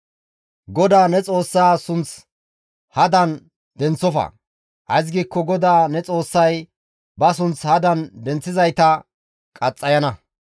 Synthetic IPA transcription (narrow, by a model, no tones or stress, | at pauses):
ɡɔd̪aːnɛt͡sʼo̞ːsːaːsʊnt͡s | hɐd̪ɐn | d̪ɛnt͡sːɔfɐ̰ | ʔɐ̰jz̬ɡiːkːɔɡɔd̪aːnɛt͡sʼo̞ːsːɐj | bɐs̬ʊnt͡shɐd̪ɐnd̪ɛnt͡sːɪzɐjt̪ɐ | kʼɐt͡sʼːɐjɐnɐ